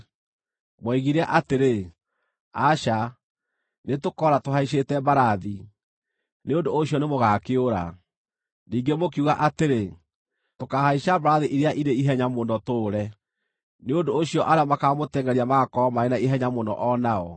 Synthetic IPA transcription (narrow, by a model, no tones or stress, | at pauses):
mwɛɣiɾɛʔateɾe | aʃa | netokɔɾatoɦaiʃ̬etɛbaɾaði | neondoːɕiɔnemoɣakeoɾa̰ | niːŋɡemokiuɣaʔateɾe | tokahaiʃabaɾaðiʔiɾeaʔineiɦɛɲamonɔtoːɾɛ | neondoːɕijɔʔaɾeɔmakamotɛŋɡɛɾiamakɔmaenaiɦɛɲamondɔ̰ʔɔnaɔ